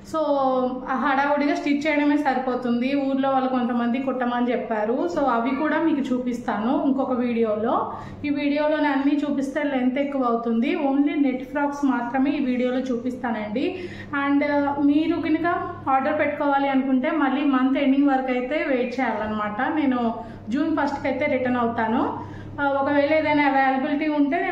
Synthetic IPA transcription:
soː | ɦɐɽaːʋuɽiɡaːsʈiʈ̚t͡ʃɛːjɐɽɐme̞ːsɐɾipoːt̪und̪iuːɾlo̞ːʋalːɐko̞nt̪ɐmɐnd̪ikɔʈːɐmɐnd̪it͡ʃɛpːaːɾuso̞ːɐʋikuːɽaːmiːkut͡ʃuːpist̪aːnuiŋkɔkɐʋiːɽijo̞ːlo̞ː | iːʋiːɽijo̞ːlo̞ːnɐnːit͡ʃuːpist̪eːleːnt̪eːkːuʋɐːwut̪und̪io̞ːɳline̞ʈːpɾaːksmaːt̪ɾɐme̞ːiːʋiːɽijo̞ːlo̞ːt͡ʃuːpist̪aːnɐɳɖi | ɐɳɖmiːɾuɡinɐkɐaːɾɖɐɾpe̞ʈːu̥kɔːʋaːliɐnukuɳʈe̞ːmɐlːiːmɐnt̪eɳɖiŋɡʋɐɾɐkɐjt̪e̞ːʋeːt͡ʃɛːjaːlɐnːɐmaːʈɐne̞ːnu | d͡ʒuːnpɐsʈkɐjt̪e̞ːɾiʈɐnɐwut̪aːnu | ɔkɐʋeːɭeːd̪ɐjnaɐʋeːjlɐbiliʈiːuɳʈe̞ːneː

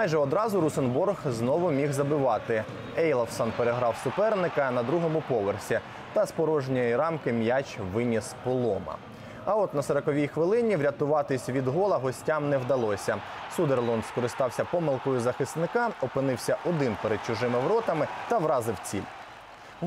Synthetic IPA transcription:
mjʒɛɔd̪ɾɑzʊɾusɔnburɣznɔʋʊmʲiwzɐbɪʋɑt̪ɪ | ɛjlˠɐwsɔnpeɾeɦɾɑwsʊpɛrnɪkɐnɐd̪ɾuɦɔmʊpɔʋersʲi | t̪ɐspɔɾɔʒnʲijiɾɑmkɪmjat͡ʃʋɪnʲispɔlˠɔmɐ̰ | ɐɔt̪nɐsɐɾɐkɔʋʲijxʋɪlˠɪnʲiʋɾʲɐt̪ʊʋɑt̪ɪsʲʋʲid̪ɦɔlˠɐɦɔsʲtʲamnɛwd̪ɐlˠɔsʲɐ | sud̪erlˠɔnskɔɾɪst̪ɑwsʲɐpɔmɪlˠkɔjʊzɐxɪsnɪkɑɔpɪnɪwsʲɐʔɔd̪ɪnpeɾed̪̚t͡ʃʊʒɪmɪʋɾɔt̪ɐmɪt̪ɐʋɾɑzɪwt͡sʲḭlʲ

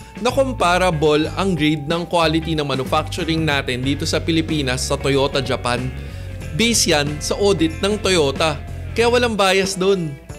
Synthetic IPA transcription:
nɐkompaːɾɐbolɐŋɡɾid̪̚nɐŋkwaːlɪt̪inɐŋmɐnʊfak̚t͡ʃʊɾɪŋnaːt̪ɪnd̪iːt̪o̞sɐpɪlɪpiːnɐsːɐt̪ojo̞ːt̪ɐd͡ʒɐpan | bisjɐnsɐʔoːd̪ɪt̪̚nɐŋt̪ojo̞ːt̪ɐ | kɐjaːwɐlaŋbaːjɐsd̪o̞n

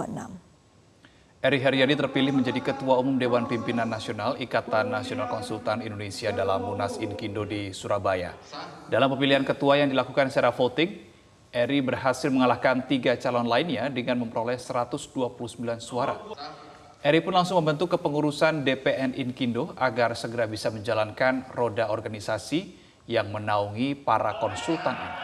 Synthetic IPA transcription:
na̰m | ʔɛɾiɦɛɾiadit̪ərpilɪhməɲd͡ʒadikət̪uaumumdewanpimpinanːasionalikat̪anːasionalkɔnsult̪anindonesiadalamunasinkindodisuɾabaja̰ | dalampəmiliɦankət̪uajaŋdilakukansət͡ʃaɾafot̪ɪŋ | ʔɛɾibərɦasɪlməŋalahkant̪iɡat͡ʃalɔnlainɲadəŋanməmpəɾolɛhsəɾat̪ʊsduapuluhsəmbilansuaɾa̰ | ʔɛɾipʊnlaŋsʊŋməmbənt̪̬ukːəpəŋuɾusandepeʔɛnʔinkindoʔaɡarsəɡəɾabisaməɲd͡ʒalankanrodaɔrɡanisasi | jaŋmənauŋipaɾakɔnsult̪anini

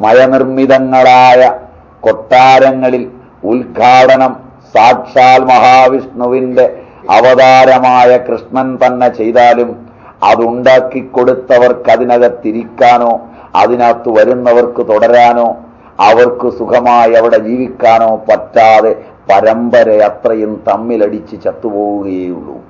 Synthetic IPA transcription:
mɐjɐnirmiðɐŋːɐɭaːjɐ | ko̞ʈːaːɾɐŋːɐɭil | ulɡʱaːɽɐnɐm | saːdʂaːlmɐɦaːʋiʂɳuʋinde̞ | ɐʋɐd̪aːɾɐmaːjɐkrɨʂɳɐnt̪ɐnːet͡ɕe̞jt̪aːlum | ɐ̰ðuɳɖaːkːikːoɽut̪ːɐʋɐrkɐðinɐɣɐt̪ːiɾikʲːaːno̞ː | ɐ̰ðinat̪ːuʋɐɾunːɐʋɐrkɨt̪oɽɐɾaːno̞ː | ɐʋɐrkɨsukʰɐmaːjɐʋiɽe̞d͡ʑiːʋikʲːaːno̞ːpɐtːaːðe̞ | pɐɾɐmbɐɾɐjat̪rɐjunt̪ɐmːilɐɽit͡ɕːɨt͡ɕɐt̪ːupo̞ːɣuɣɐjeːjuɭːṵ

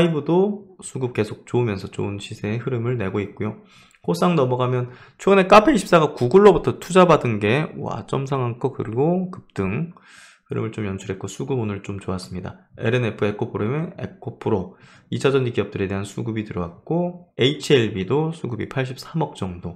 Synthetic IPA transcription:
aibɯdosʰuɡɯp̚ke̞sʰok̚t͡ɕoɯmjʌnsʰʌt͡ɕo̰ɯnɕʰisʰe̞ːhɯɾɯmɯɭne̞ɡoit̚k͈ojo | hos͈ʰaŋnʌmʌɡamjʌn | t͡ɕʰeɡɯne̞k͈apʰeɕʰi̥p̚s͈aɡakuɡuɭːobutʰʌtʰud͡ʑabadɯnɡe̞wa̰t͡ɕ͈ʌmsʰaŋɦankʰʌkɯɾiɡokɯp̚t͈ɯŋ | hɯɾɯ̰mɯɭt͡ɕomjʌnt͡ɕʰuɾɦe̞t̚k͈osʰuɡɯbonɯɭt͡ɕomt͡ɕoas͈ɯmɲida̰e̞̰ɾe̞ne̞pʰɯe̞kʰopʰɯɾomene̞̰kʰopʰɯɾo | it͡ɕʰad͡ʑʌnikiʌp̚t͈ɯɾe̞de̞ɦansʰuɡubitɯɾʌwat̚k͈oeit͡ɕʰieɭbidosʰuɡubipʰaɭɕ̬͈ʰip̚s͈ʰamʌk̚t͡ɕ͈ʌŋdo

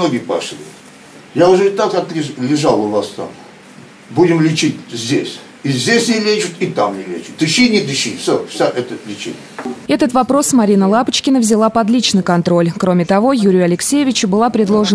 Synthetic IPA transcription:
noɡʲɪpa̰ʂlʲɪ̰ | jaʊʐɛɪt̪akat̪ɾʲɪzlʲɪʐalˠʊvast̪a̰m | budʲɪmlʲɪt͡ɕitʲzʲdʲesʲ | izʲdʲesʲnʲɪlʲet͡ʃʊt̪it̪amnʲɪlʲet͡ʃʊ̥t̪̚d̪ɨɕinʲɪd̪ɨɕifsʲofsʲaʔɛt̪əlʲɪt͡ɕḛnʲɪ̰jəɛt̪ət̪vɐpɾo̞smɐɾʲinəlˠapət͡ɕkʲɪnəvzʲɪlˠapɐd̪lʲit͡ɕnɨjkɐnt̪ɾo̞lʲkɾo̞mʲɪt̪ɐvo̞juɾʲɪjʊɐlʲɪksʲejɪvʲɪt͡ɕʊbɨlˠapɾʲɪd̪lˠo̞ʐɨ

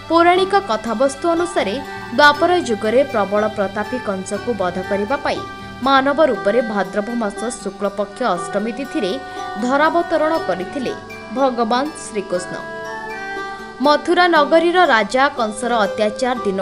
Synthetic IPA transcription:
poɾaɽ̃ikɔkɔt̪ʰabɔst̪uɔnusaɾe | d̪wapɔɾɔd͡ʒuɡɔɾepɾɔbɔɭɔpɾɔt̪apikɔnsɔkubɔd̪ʱɔkɔɾibapaḭ | manɔbɔɾupɔɾebʱad̪ɾɔbʱɔmasɔsukɭɔpɔkʰːjɔːsɾɔmit̪it̪ʰiɾed̪ʱɔɾabɔt̪ɔɾɔɽ̃ɔkɔɾit̪ʰilḛ | bʱɔɡɔbansɾikosnɔ̰ | mɔt̪ʰuɾanɔɡɔɾiɾɔɾad͡ʒakɔnsɔɾɔːt̪jat͡ʃaɾd̪in

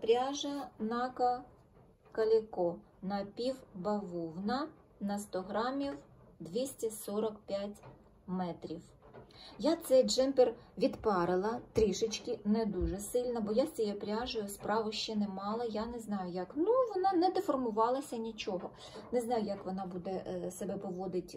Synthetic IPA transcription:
pɾʲaʒɐnɑkɐ | kɐlʲikɔ | nɐpʲiwbɐʋɔwnɐ | nɐst̪ɔɦɾɑmʲiw | d̪ʲʋʲisʲtʲisɔɾɐkpʲjatʲ | mɛt̪ɾʲiw | jat̪sɛjd͡ʒɛmpɛrʋʲid̪pɑɾɪlˠɐt̪ɾʲiʃɪt͡ʃkɪnɛd̪uʒɛsɪlʲnɐbɔjasʲt͡sʲijɛpɾʲɑʒʊjʊspɾɑʋʊʃt͡ʃɛnɛmɑlˠɐjanɛznɑjʊjɐknuʋɔnɑnɛd̪efɔrmʊʋɑlˠɐsʲɐnʲit͡ʃɔɦɔ | nɛznɑjʊjɐkʋɔnɑbud̪ɛsebɛpɔʋɔd̪ɪtʲ

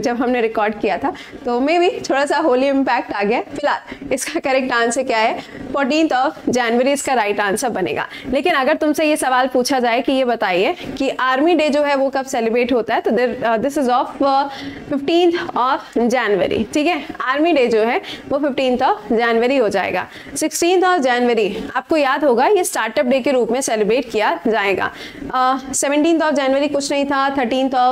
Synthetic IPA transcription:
d͡ʒɐbɦɐmneɾɪkɔːɾɖkijat̪ʰa | t̪omẽbʱit̪ʰoːɽasaɦoːliɪ̃mpɛːk̚ʈaːɡɐjafɪlɦaːlɪskakɐɾek̚ʈãːnsekjaɦɛfɔːɾʈ̬ĩːnt̪ʰɔːfd͡ʒɛːnʋəɾiɪskaɾaːɪʈɖãːnsabɐnḛːɡa̰ːleːkɪnɐɡəɾt̪ʊmsejesɐʋaːlpuːt͡ʃʰad͡ʒaːekijebɐt̪aːiekiʔaːɾmiɖeːd͡ʒoːɦɛʋokɐbsɛːlɪbɾeːʈɦoːt̪aɦɛt̪od̪ɪsɪzɔːf | fɪfʈĩːnt̪ʰɔːfd͡ʒɛːnʋə̰ɾḭʈʰiːkɛaːɾmiɖeːd͡ʒoːɦɛʋofɪfʈĩːnt̪ʰɔːfd͡ʒɛːnʋəɾiɦod͡ʒa̰ːḛːɡa̰ː | sɪksʈĩːnt̪ʰɔːfd͡ʒɛːnʋəɾiaːp̚kojaːd̪ɦoːɡajesʈaːɾʈəp̚ɖeːkeɾuːpmẽsɛːlɪbɾeːʈ̚kijad͡ʒaːeːɡa̰ː | sɛʋə̃ɳʈiːnt̪ʰɔːfd͡ʒɛːnʋəɾikʊt͡ʃʰnɐɦĩt̪ʰat̪ʰəɾʈĩːnt̪ʰɔː

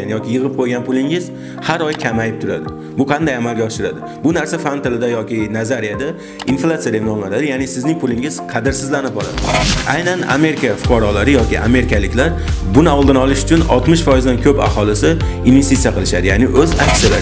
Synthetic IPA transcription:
anjɒkʲɪjɨʁɨp̚qʰojɡʲanpʰʊlˠɪŋɪz | haɾɒjkʲʰamajɪp̚t̪ʰʊɾad̪ɪ | bʊqʰɑnd̪ajamalɡʲaɒʃɪɾad̪ɪ | bʊnaɾsafant̪ɪlɪd̪ajɒkʲɪnazaɾijad̪a | inflˠat̪sijad̪enɒmlaɾad̪ɪjanɪsɪznɪŋʲpʰʊlɪŋɪz̥qʰɑd̪ɪɾsɪzlanɪp̚bɒɾa̰d̪ɪa̰jnana̰me̞ɾɪkʲafʊ̥qʰɒɾɒlaɾɪjɒkʲɪ̰ʔa̰me̞ɾɪkʲalɪkʲlaɾbʊnɪɒlˠd̪ɪnɒlˠɪʃʊ̥t͡ʃʰʊnɒ̰lˠt̪mɪʃfɒjɪzd̪ankʲʰɵpa̰hɒlˠɪsɪ | inve̞st̪it̪sijaqɨlˠɪʃad̪ɪjanɪʔɵza̰ksijala

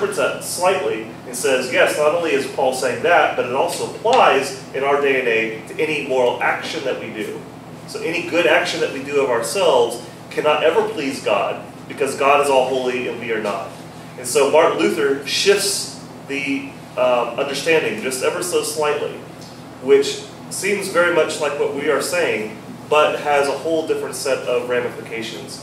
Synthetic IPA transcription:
fɨ̃nzʌtslaɪʔˡli | ɨ̃nsɛzjɛsnəɾõʊ̃nliɨz̥pʰɔlˠseɪɪ̃ŋðæt̚b̥ʌɾɨɾɔlˠsoʊəpʰl̥aɪz | ɨ̃ñaʊə˞deɪɨ̃neɪɾʰɨʔɛñimɔɹl̩ˠækʃɨ̃nðɨʔ̚widʉ̰ | soʊʔɛñiɡʊɾækʃɨ̃nðɨʔ̚widɨʌvaə˞sɛlˠvz̥ | kʰænəɾʔɛvə˞pʰl̥izɡɑ̰d̚ | b̥ɨkʰʌzɡɑɾɨzɔlˠɦoʊlˠiɪ̰ɾl̩ˠbiə˞nə̰t̚ | ɨ̃nsoʊmɑɹklʉθə˞ʃɪfs | ði | ʔʌʌ̃ndə˞stæ̃ndɪ̃ŋd͡ʒʌstɛvə˞soʊslaɪʔˡlḭ | wɪt͡ʃ | sĩmzvɛɹimʌt͡ʃlaɪkwʌʔ̚wiə˞seɪɪ̃ŋ | b̥ʌt̚hɨzəhoʊlˠdɪfɹɨ̃ntsɛɾʌvɹæ̃mɨfɨkʰeɪʃɨ̰̃nz̥

